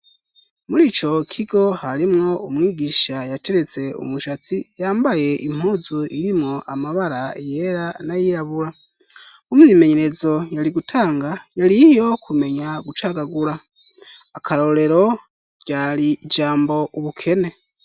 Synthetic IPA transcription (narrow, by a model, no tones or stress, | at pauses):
muɾiːt͡ʃo̞kʰiɡo̞haɾimŋo̞umŋiːɡiʃajate̞ɾe̞t͡se̞ṵmuʃat͡sijaːmbaje̞ʔim̥huːzuiɾimŋo̞ʔamaβaɾaeje̞ɾanajiɾaβuɾa | umime̞ɲe̞ɾe̞zo̞jaɾiɡutʰaːŋɡajalijo̞kʰume̞ɲaɡut͡ʃaɡaɡuɾaː | kʰaɾo̞ɾe̞ɾo̞ | ɟ̥aɾiːd͡ʒaːmbo̞ʔuβukʰe̞ne̞